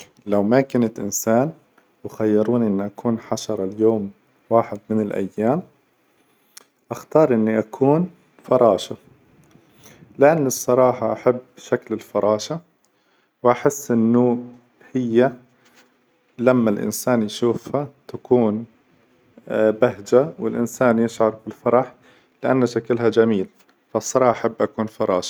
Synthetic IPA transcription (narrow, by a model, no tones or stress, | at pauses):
lawmakanat̪ʔɪ̰nsaːn | wɪxajːɪɾuːniʔɪnːʔakʰuːnħaʃɑɾˤɑljoːm | waːħɪd̪mɪnɪlʔa̰jːaːm | ʔaxt̪ɑːɾˤʔɪnːiʔakʰuːn | fɑɾˤɑːʃa | lɪʔanːɨsˤːɑɾˤɑːħɑʔaħabːʃaklɪlfɑɾˤɑːʃa | wʔaħɪsːʔɪnːʊ | hɪjːa | lamːalʔɪ̰nsaːnjʃuːfhat̪akuːn | baɦd͡ʒawɪ̰lʔɪnsaːnjɪʃʕɑɾˤbɪlːfɑɾˤɑħ | lɪʔanːaʃakɪlɦad͡ʒamiːl | fasˤːɑɾˤɑːħʔaħabːʔakuːnfɑɾˤɑ̰ːʃḁ